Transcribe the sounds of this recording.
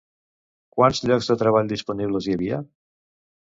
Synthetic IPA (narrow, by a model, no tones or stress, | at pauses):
kwanzʎɔɡzðət̪ɾəβaʎd̪ispuniβləzjəβiə